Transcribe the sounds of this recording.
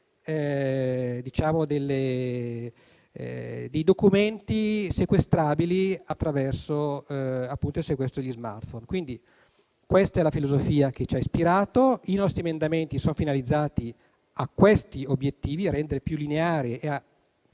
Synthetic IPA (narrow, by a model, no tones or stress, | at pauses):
ɛ | d̪it͡ʃaːmod̪elːe | d̪ejd̪okument̪isekwest̪ɾaːbiliat̪ːɾavɛrsoapːunt̪oilsekwɛst̪ɾod̪ʎːizma̰rt̪fonkwind̪i | kwest̪aɛlafilozofiːak̟et͡ʃaispiɾaːt̪oinɔst̪ɾiemend̪ament̪isonfinalid̪zːaːt̪i | akːwest̪iobjet̪ːiːviaɾɛnd̪eɾepjulːineaːɾiea